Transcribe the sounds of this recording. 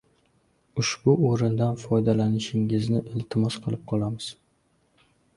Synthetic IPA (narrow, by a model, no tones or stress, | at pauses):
ʊʃb̥ʊoɾɪnd̪anfɒjd̪alanɪʃɪŋɪznɪʔɪlt̪ʰɪmɒsqʰɨlˠɪp̚qʰɒlˠamɪz̥